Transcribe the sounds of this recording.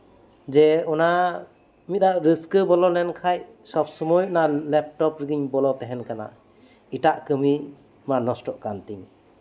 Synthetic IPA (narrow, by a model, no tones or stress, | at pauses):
d͡ʒɛɔna | mit̪̚daʔɾɯskɯbɔlɔnɛnkʰaj | sɔp̚sɔmujnalɛp̚ʈɔpɾɯɡiɲbɔlɔt̪ɛɦɛnkana̰ | iʈaʔkɯmi | manɔsʈɔʔkant̪iŋ